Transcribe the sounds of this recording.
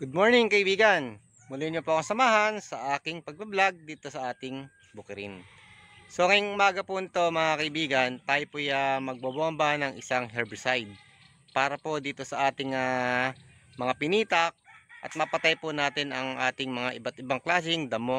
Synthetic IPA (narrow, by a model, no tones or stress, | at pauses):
ɡ̥ʊd̪̚mo̞ɹnɪŋkɐʔɪbiːɡɐn | mʊlɪɲopo̞ʔɐŋsɐmaːɦɐnsɐʔaːkɪŋpɐɡ̚bɐblaɡ̚d̪iːt̪o̞sɐʔaːt̪ɪŋ | bʊkɪɾɪ̰n | so̞ŋɐjʊŋʔʊmaːɡɐpʊnɪt̪o̞mɐŋakɐʔɪbiːɡɐnt̪aːjopojamɐɡ̚bɐbuʔɐmbanɐŋʔɪsaŋɦɛɹbsajd̪̚ | paːɾɐpo̞d̪iːt̪o̞sɐʔaːt̪ɪŋa | mɐŋapɪniːt̪ɐk̚ʔɐ̰t̪̚mɐpɐt̪ajponaːt̪ɪnɐŋʔaːt̪ɪŋmɐŋaʔɪbat̪̚ɪbaŋklaːs̬ɪŋd̪ɐmo